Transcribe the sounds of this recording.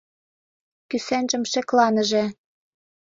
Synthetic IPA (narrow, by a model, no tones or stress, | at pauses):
kysænʒə̆mʃĕklɑnə̆ʒĕ